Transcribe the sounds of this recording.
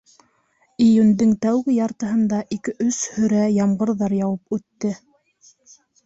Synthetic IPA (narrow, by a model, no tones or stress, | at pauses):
ijʉnd̪ɘŋt̪æwɡɘjɑɾt̪ɤ̆ɦɤ̆nd̪ɑʔikɘʔɵshɵ̆ɾæjɑmɢɤ̆ɾðɑɾjɑwɤpʉt̪ːɘ